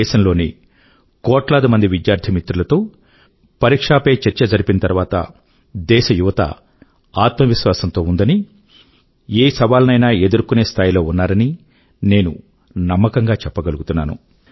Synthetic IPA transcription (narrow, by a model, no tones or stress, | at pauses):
ɛːʃɐmlo̞ːni | kɔːʈlaːd̪imɐnd̪iʋid̪jaːɾt̪ʰimit̪ɾulɐt̪o̞ː | pɐɾikʂaːpe̞ːt͡ʃɛɾt͡ʃɐd͡ʒɐɾipinɐt̪ɐɾʋaːt̪ɐ̰ | d̪ɛːʃɐjuʋɐt̪ɐ̰ | aːt̪mɐʋiʃʋaːsɐnt̪o̞ːund̪ɐni | eːsɐʋaːlɐnɐjnaːe̞d̪uɾkune̞ːst̪ʰaːjlo̞ːunːaːɾɐni | ne̞ːnṵ | nɐmːɐkɐŋɡaːt͡ʃɛpːɐɡɐluɡut̪unːa̰ːnṵ